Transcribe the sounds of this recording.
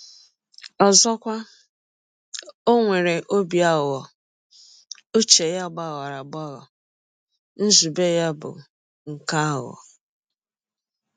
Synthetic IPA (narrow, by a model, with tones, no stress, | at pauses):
ɔ˨zɔ˦kʷa˦ | o˦ŋʷe˨ɾe˨ʔo˦bi˨a˦˨wɔ˨ | u˦t͡ʃe˨ja˦ɡ͡ba˦˨ɣa˨ɾa˨ɡ͡bɔ˦ɣɔ˨ | n̩˦zu˨be˦ja˦bʊ̰˨ | ŋ̩˨ka˦˨ɔ̰˨